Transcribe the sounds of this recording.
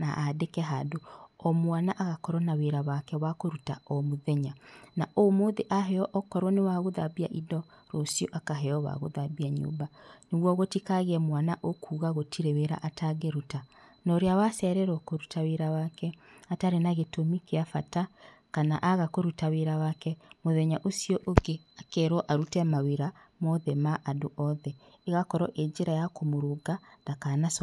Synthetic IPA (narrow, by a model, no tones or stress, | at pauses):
naʔadekɛɦadoɔmwanaʔaɣakɔɾɔnaweɾaβakɛwakoɾutaɔmoðɛɲanaʔomoːðeʔaɦɛɔʔɔkɔɾwɔnewaɣoðabiaʔidɔ | ɾosioʔakaɦɛɔwa̰ɣo̰ðabiaɲo̰ːbaneɣwɔɣotikaɣeɛmwanaʔokʰuːɣaɣotʰiɾeweɾa̰ʔatʰaɡeɾutanɔɾeawasɛɾɛɾɔkoɾutaweɾawakɛataɾenaɣetomikeafata | kanaʔaɣakoɾutaweɾawakɛmoðɛɲaʔosioʔoɡe | akɛɾɔʔaɾutɛmaweɾa | mɔðɛmaʔadoʔɔðɛ | eɣakɔɾɔʔeɲd͡ʒeɾajakomoɾoɡaðakanas